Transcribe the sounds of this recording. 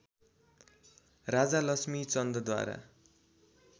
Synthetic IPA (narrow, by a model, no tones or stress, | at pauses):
rad͡zalʌsmit͡sʌnd̪ʌd̪wa̰ɾa̰